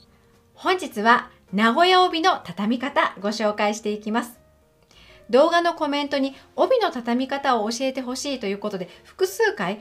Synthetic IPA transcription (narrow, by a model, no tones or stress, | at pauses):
hõ̞ɲ̟d͡ʑit͡sɨβa | naɡo̞jaobʲino̞t̪at̪amʲikat̪aɡo̞ɕo̞ːkaiɕi̥t̪e̞ikʲimasɨ̥ | d̪o̞ːɡano̞ko̞mẽ̞nt̪o̞ɲ̟io̞bʲino̞t̪at̪amʲikat̪ao̞ːɕie̞t̪e̞ɦo̞ɕiːt̪o̞jɯ̟ːko̞t̪o̞d̪eɸɯ̟̥kɯ̟sɨːkai